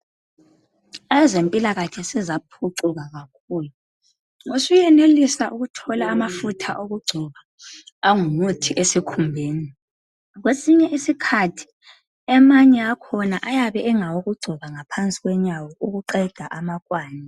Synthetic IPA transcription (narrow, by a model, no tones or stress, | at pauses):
azempʼilaɣakʰɛsɛzapʰuǀuɣaɣakʰuːlu | ŋusujɛnelisaʔuɣutʰɔlaːmafutʰa̰ʔoɣuɡ͡ǀʱɔβa | aŋumutʰiʔesikʰumbʱeːni | ɣwesiɲɛʔisikʰatʰi̥ | ɛmaɲɛakʰɔnaʔajaβɛʔːŋawoɣuɡ͡ǀʱɔβaŋapʰant͡sʼiɣwɛɲawɔʔuɣuǃɛd̥ʱaʔamakʼwaːni